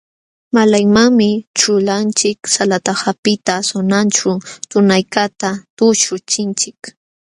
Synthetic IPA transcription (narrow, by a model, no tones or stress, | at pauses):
malajmaŋmɪt͡ʃʊlant͡ʃɪksalat̪ahapɪt̪asʊnant͡ʃʊt̪ʊnajkat̪at̪ʊʃʊt͡ʃɪnt͡ʃɪk